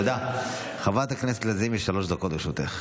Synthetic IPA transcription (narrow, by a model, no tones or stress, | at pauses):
d̪a | χavat̪akneset̪lezimiʃːalo̞ʃd̪akot̪leʃut̪eχ